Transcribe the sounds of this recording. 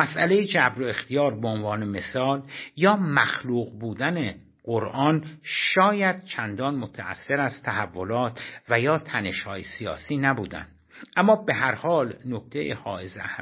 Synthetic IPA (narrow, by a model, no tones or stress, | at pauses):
mæsʔælejed͡ʒæbɾoe̞xt̪ʰijɒːɾbeonvɒːneme̞sɒːljɒːmæxluːɣbuːd̪æne | ɢ̥oɾʔɒːnʃɒːjæd̪̥̚t͡ʃʰænd̪ɒːnmot̪ʰææ̰sːe̞ɾæzt̪ʰæhævːo̞lɒːt̪ʰvæjɒːt̪ʰæne̞ʃhɒːjesijɒ̰ːsiːnæbuːd̪æ̰nd̪̥ | ʔæmːɒːbe̞ɦæɾhɒːlnokt̪ʰejehɒ̰ːʔezeæ